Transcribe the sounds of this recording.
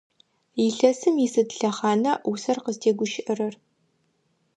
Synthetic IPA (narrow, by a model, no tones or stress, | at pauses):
iɬɐsɨmisɨdɬɐχɑːnɐʔusɐrqəztʰeːɡʷʊʃɪʔɐrɐr